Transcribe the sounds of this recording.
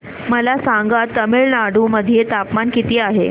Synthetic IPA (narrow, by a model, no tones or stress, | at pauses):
məlasaŋɡat̪ːəmeɭnaɽuməd̪ʱijet̪apmankit̪iːaɦe